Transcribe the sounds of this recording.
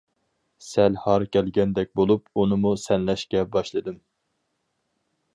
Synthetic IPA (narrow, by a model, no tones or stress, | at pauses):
sɛlhɑɾkʲʰɛlɡʲɛnd̪ɛk̚ʲbolˠup̚unɨmusɛnlɛʃkʲɛbɑʃlˠɨd̪ɨm